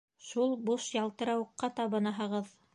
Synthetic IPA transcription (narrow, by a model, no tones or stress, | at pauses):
ʃulˠbuʃjɑlˠt̪ɤ̆ɾɑwɤ̆qːɑt̪ɑβɤ̆nɑɦɤ̆ʁɤð